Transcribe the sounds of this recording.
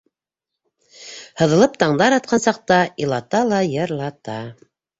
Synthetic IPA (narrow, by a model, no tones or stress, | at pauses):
hɤ̆ðɤ̆lˠɤp̚t̪ɑɴd̪ɑɾɑt̪̚qʰɑnsɑq̚t̪ɑilˠɑt̪ɑlˠɑjɤ̆ɾlˠɑt̪ɑ